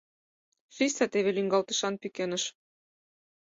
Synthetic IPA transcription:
ʃysʲɑt̪eβelyŋɡɑlt̪ə̥̆ʃɑnpykʲenə̆ʃ

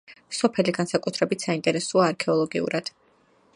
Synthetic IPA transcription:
sɔpʰɛliɡansakʼut̪ʰɾɛbit̪ʰsaint̪ʼɛɾɛsuaːɾkʰɛɔlˠɔɡḭṵɾad̪̥

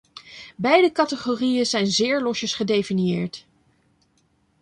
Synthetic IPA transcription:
bɛjdəkɑtəχoːrijəzɛjnzɪːɹlɔʃəsχədejfinjɪːɹt

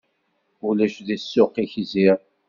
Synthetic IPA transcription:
ulæʃðisːʊqːiçziɾ

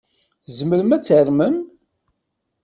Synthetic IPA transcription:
θzməɾəmæt͡sːəɾməm

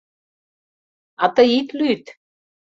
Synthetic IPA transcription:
ɑt̪ɤit̪lyt̪

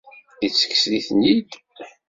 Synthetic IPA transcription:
it͡sːə̥kːsliθənjid̪

